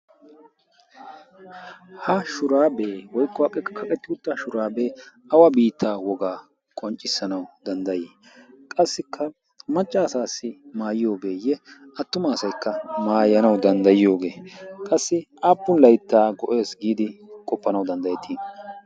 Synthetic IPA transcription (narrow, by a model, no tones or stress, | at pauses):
hɐʃʊɾaːbe̞ːwɔjkːɔhɐkʼːɛkːɐ̥kʰɐkʼɛt̪ːɪʊt̪ːɐʃʊɾaːbe̞ː | ɐwɐbiːt̪ʰːaːwɔɡaː | kʼɔnt͡ʃʼːɪsːɐnɐwd̪̥ɐnd̪ɐjeː | kʼɐsːɪkʰːɐ | mɐt͡ʃʼːaːsaːsːɪmaːjɪjo̞ːɡe̞ːjɛɐt̪ːʊmɐːsɐjkːɐmaːjɐnɐwd̪ɐnd̪ɐjɪjo̞ːɡe̞ːkʼɐsːɪʔaːpːʊnlɐjt̪ːaːɡɔʔe̞ːsɡiːd̪ɪkʼɔpːɐnɐwd̪ɐnd̪ɐjɛt̪ʰiː